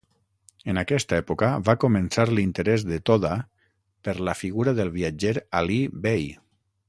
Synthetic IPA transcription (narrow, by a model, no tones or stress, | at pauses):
ənakɛst̪aɛpukəβakumənsaɾlint̪əɾɛzðət̪oða | pəɾləfiɣuɾaðəlˠβ̞iad͡ʒeɾalibej